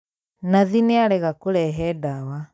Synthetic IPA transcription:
naðineaɾɛɣakoɾɛɦɛdawa

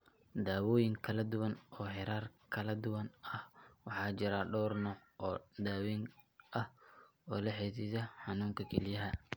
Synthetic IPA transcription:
d̪aːwɔːjɪŋkʰɐlɐd̪ʊwɐnɔːɦɛɾaːrkʰɐlɐd̪ʊwɐnɐhwɑħɑːt͡ʃɪɾɐɖɔːrnɔʔɔːd̪aːwɛŋʔɐh | ɔːlɐħɛːsisɐħɑnuːŋkʰɐkʰɛlɪjɐɦɐ

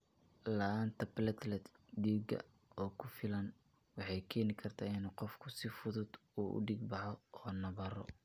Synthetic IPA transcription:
lɐaːnt̪ʰɐplɐt̪ʰlɛt̪ɡiːɡɐ̰ | ɔːkʰʊfɪlɐn | wɑħɑjkʰɛːnɪkʰɐrt̪ʰaːɪnqɔfkʰʊsɪfʊðʊd̪uːʔʊ̰ɖiːɡ̚bɑħɔɔːnɐβɐɾɔ̰

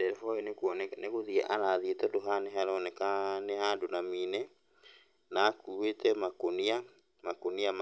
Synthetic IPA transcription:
dɛfɔɛnekwɔnnekoðiɛʔalaðietɔdoɦaneɦɛlɔnɛkaneɦandonaminɛ | nakuwetɛmakonia | makoniam

